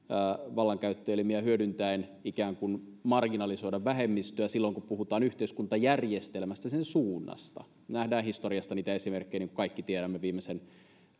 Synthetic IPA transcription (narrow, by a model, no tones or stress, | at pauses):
ʋɑlːɑŋkæyt̪ːelmiæhyødynt̪æinikæːŋkunmɑrɡinɑlisoidɑʋʋæɦemːist̪øæsilːoiŋkuppuhut̪ɑːnyht̪eiskunt̪ɑjærjest̪elmæst̪æsensuːnːɑ̰st̪ɑ̰ | næhdæːnhist̪orijɑst̪ɑniːt̪æesimerkːejniːŋku̥kɑikːit̪ieɾæmːeʋiːmesen